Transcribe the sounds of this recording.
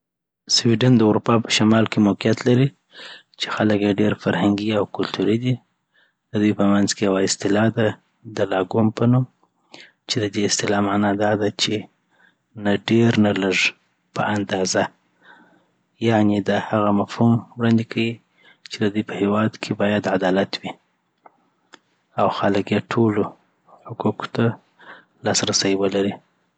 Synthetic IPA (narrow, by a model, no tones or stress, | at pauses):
swiɖand̪əʊɾupɑpə̥ʃamɑlkemoqijat̪laɾi | t͡ʃe̥xaləkjeɖeɾfaɾhaŋɡiawkʊlt̪uɾid̪i | d̪əd̪ujpəmanzkejawaɪst̪ɪlɑd̪a | d̪əlɑɡumpənum | t͡ʃed̪əd̪eɪst̪ɪlɑmanɑd̪ɑd̪at͡ʃe | naɖeɾnaləʐ | pəʔand̪ɑza | jaʕned̪əhaɣamafhumwɽɑnd̪ekʰawi | t͡ʃed̪əd̪ujpəhewɑd̪kʰebɑjad̪ʕad̪ɑlat̪wi | awxaləkjeʈʰolo | hʊkuko̥t̪a | lɑsɾasajwəlaɾi